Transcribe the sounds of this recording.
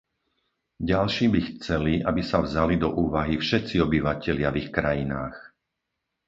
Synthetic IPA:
ɟalʃiːbixt͡sɛliabisavzalid̪ɔʔuːʋaɦifʃɛt̪t͡siɔbiʋacɛlɪavixkɾajinaːx

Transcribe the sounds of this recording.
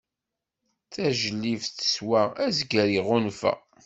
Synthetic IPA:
θæʒəlːifθə̥swææzɡɾiʁʊnfæ̰

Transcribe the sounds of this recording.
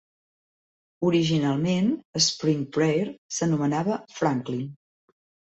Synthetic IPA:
uɾiʒinalˠmenəspɾiŋpɾejɾsənumənaβəfɾaŋklin

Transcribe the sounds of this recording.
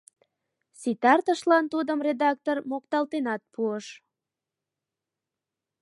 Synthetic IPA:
sit̪ɑrt̪əʃlɑnt̪ud̪əmred̪ɑk̚t̪ormokt̪ɑlt̪enɑt̪̚pʰuəʃ

